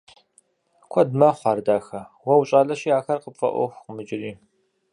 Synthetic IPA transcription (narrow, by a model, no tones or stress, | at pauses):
kʷʰɔdmɐχʷɑːrdaːxɐwɐwɕʼaːɮɐʃijaːxɐrqəpfɐ̰ʔʷɔ̰xʷqəmɨd͡ʒɪriː